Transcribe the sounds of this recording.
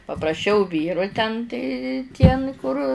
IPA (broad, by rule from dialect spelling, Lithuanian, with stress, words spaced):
pɐprɐˈʃʲɛʊ ˈʋʲiːrʊ tʲɛn tɐɪ tʲiɛ n kʊr